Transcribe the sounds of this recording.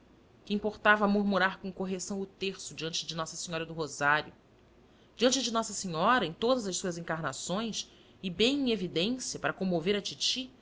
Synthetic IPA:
kɪĩpoɾt̪avɐmuɾmuɾaɾkõw̃koɦesɐ̃w̃ʊt̪eɾsʊd͡ʒiɐ̃nt͡ʃɪd͡ʒɪnɔsɐsĩɲɔɾɐd̪ʊɦozaɾjʊ | d͡ʒiɐ̃nt͡ʃɪd͡ʒɪnɔsɐsiɲɔɾɐẽt̪od̪ɐzɐʃsuɐzĩŋkaɾnasõj̃s | ɪbẽj̃ẽevid̪ẽsiɐpaɾɐkõmoveɾɐt͡ʃit͡ʃi

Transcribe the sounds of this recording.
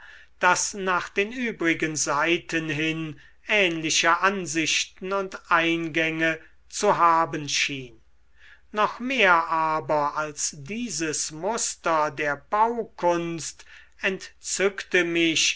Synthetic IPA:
d̥asnaːχd̥eːnyːbʁɪɡənzaɪtʰənɦɪn | ʔɛːnlɪʃəʔanzɪʃtn̩ʊntʔaɪnɡɛŋə | t͡suɦaːbənʃiːnː | ɔχmeːɐʔaːbɐalsd̥iːzəsmʊstɐdeːɐbaʊkʰʊnst | ɛntt͡sʏktəmɪɕ

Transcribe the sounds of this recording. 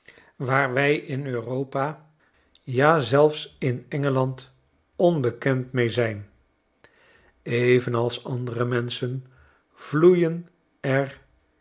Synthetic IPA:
ʋaːɹʋɛjɪnøːrowpa | jaːzɛlˠfsɪnɛŋəlɑnt | ɔnbəkɛntmejzɛjn | ejvənɑlˠsɑndərəmɛnsən | vlujən | ɛɹ

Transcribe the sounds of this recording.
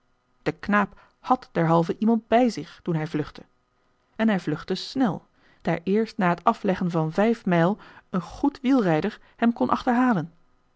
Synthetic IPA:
d̥əknaːp | hɑtd̥ɛɹɦɑlˠvəʔimɑnt̚bɛjzɪχtunɦɛjvlɵχtə | ɛnɦɛjvlɵχtəsnɛlˠ | d̥aːɹʔɪːɹstnaːɦətɑflɛχənvɑnvɛjfmɛjlˠənχutʋilˠrɛjdəɹ | hɛmkɔnʔɑ̰χtəɹɦaːlən

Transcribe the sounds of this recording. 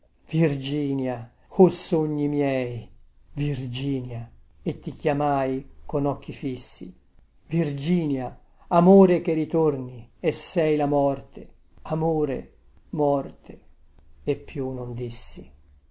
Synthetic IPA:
v̥ird͡ʒiːnja | osoɲːimjɛːjvird͡ʒiːnja | et̪ːikjamaːjkonɔk̟ːifisːḭ | vird͡ʒiːnja | amoːɾek̟eɾit̪orniesːɛjlamɔrt̪e | amoːɾḛ | mɔrt̪e | epːjunond̪isːi

